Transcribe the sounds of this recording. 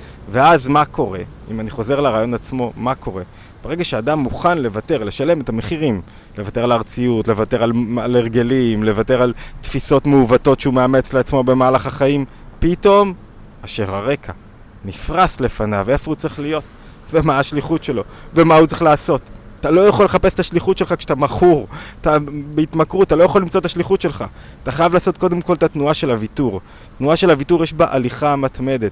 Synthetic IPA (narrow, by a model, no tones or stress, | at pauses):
ve̞azmako̞ʁe̞imaniχo̞ze̞ʁlaʁaːjo̞nat͡smo̞mako̞ʁe̞ | b̥eʁeɡaʃeadamːuχanle̞vate̞ʁle̞ʃale̞me̞tame̞χiʁim | levate̞ʁalaʁt͡sijutle̞vate̞ʁalaleʁɡe̞limle̞vateʁalt̪fiso̞tmeuvato̞tʃeumeame̞t͡sleat͡smo̞be̞maːlaχaχaim | pito̞m | aʃe̞ʁhaʁe̞kʰa | nifʁasle̞fana̰ve̞fo̞ut͡sʁiχlijo̞t | vemaːʃliχutʃe̞lo̞ve̞maut͡sʁiχlaːso̞tatalo̞jaχo̞leχape̞st̪aʃliχutʃe̞lχakʃe̥at̪amaχuʁtabeitmakʁutat̪alo̞jaχolːimt͡so̞taʃliχutʃe̞lχa | at̪aχajavlaːso̞t̪ko̞de̞mko̞lt̪at̪nuaʃe̞lavituʁ | tnuaʃe̞lhavituʁjeʃbaʔaliχamat̪me̞d̪et̪